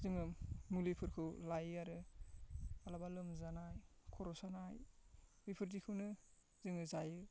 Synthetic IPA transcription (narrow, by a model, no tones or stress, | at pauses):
zɯŋɯmulipʰɯɾkʰɯwlajɯaɾɯ | alabalɯmzanajkʰɔɾɔsanajwipʰɯɾdikʰɯwnɯ | zɯŋɯzajɯ